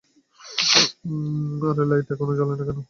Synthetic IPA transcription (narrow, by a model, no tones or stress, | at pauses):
aɾelajʈakonoɡalenakɛno